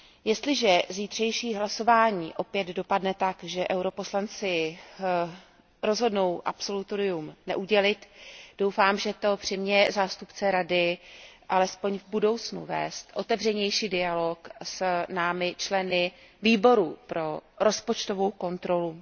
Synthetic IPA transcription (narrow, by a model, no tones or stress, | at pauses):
jɛst̪lɪʒɛziːt̪r̝̥ɛjʃiːɦlaso̞vaːɲiːʔo̞pjɛd̪do̞padnɛt̪akʒɛʔɛwɾo̞po̞slant͡sɪ | ɾo̞zɦo̞dno̞wʔa̰pso̞lut̪oɾɪjumnɛ̰ʔuɟɛlɪt̪d̥o̞wfaːmʒɛt̪o̞pr̝̥ɪmɲɛzaːst̪upt͡sɛɾadɪʔalɛspo̞ɲvbudo̞wt͡snṵvɛ̰ːst̪ʔo̞t̪ɛvr̝ɛɲɛjʃiːdɪalo̞ksnaːmɪt͡ʃlɛnɪ | viːbo̞ɾupɾo̞ɾo̞spot͡ʃt̪o̞vo̞wko̞nt̪ɾo̞lu